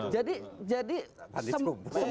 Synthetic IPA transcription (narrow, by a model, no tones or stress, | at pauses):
d͡ʒadid͡ʒadianiəumusəm